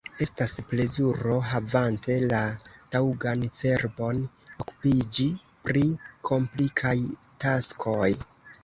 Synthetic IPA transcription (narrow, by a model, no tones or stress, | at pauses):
e̞stasple̞zuɾo̞ɦavante̞latawɡant͡se̞ɾbo̞n | oku̥pid͡ʒi | pɾikʰo̞mplikʰaj | taskʰo̞j